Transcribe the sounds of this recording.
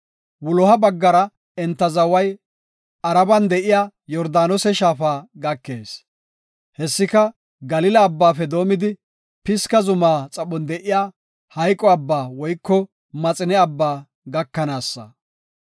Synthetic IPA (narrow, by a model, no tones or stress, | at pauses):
wʊlɔɦɐbɐɡːɐɾɐ | ɛnt̪ːɐzɐwɐj | ɐɾɐbɐnd̪ɛʔɪjaː | jɔɾd̪aːnɔsɛʃaːfaːɡɐkːe̞ːs | hɛsːɪkɐ | ɡɐlɪlɐːbːaːfɛd̪o̞ːmɪd̪ɪ | pɪskɐzʊmaːt͡sʼɐɓɔnd̪ɛʔɪjaː | hɐjkʼːɔɐbːaːwɔjkːɔ | mɐt͡sʼɪnɛɐbːaː | ɡɐkːɐnaːsːɐ̰